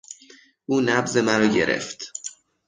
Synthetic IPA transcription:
ʔuːnæbze̞mæɾɒːɟe̞ɾe̞̰ft̪

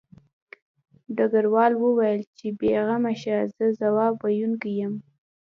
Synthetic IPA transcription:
ɖaɡaɾwɑlwəwajəlt͡ʃebeɣamaʃazəzawɑbajunkijəm

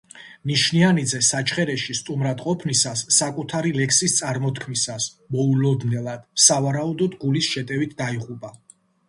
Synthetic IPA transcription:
niʃnianid̪zɛsat͡ʃʰχɛɾɛʃist̪ʼumɾad̪qʼɔpʰnisasːakʼut̪ʰaɾilɛkʰsist̪sʼaɾmɔt̪ʰkʰmisas | mɔulɔd̪nɛlˠad̪̥savaɾaud̪ɔd̪ɡulisʃɛt̪ʼɛvit̪ʰd̪aiʁupʼa

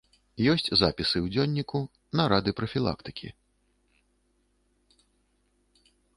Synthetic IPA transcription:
jɔsʲt͡sʲzapʲisɨwd͡zʲɔnʲːiku | nɐɾad̪ɨpɾɐfʲilˠa̰kt̪ɨ̥kʲḭ

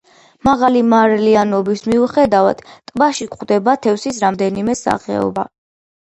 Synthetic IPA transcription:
maʁalimaɾlianɔbismiuχɛd̪ava̰d̪̥t̪ʼvaʃikχd̪ɛbat̪ʰɛfsisɾamd̪ɛnimɛsa̰χɛ̰ɔ̰ba̰

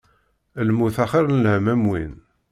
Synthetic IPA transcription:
lmuθæχəɾnəlhəmæmwḭn

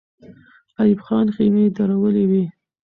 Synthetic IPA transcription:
ɑjɪbxɑnximed̪ɑɾawəlewi

